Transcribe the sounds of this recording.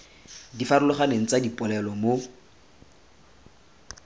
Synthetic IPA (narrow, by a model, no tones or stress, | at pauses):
difaɾʊlʊχaneŋ̩t͡sadipʼʊlɛlɔmo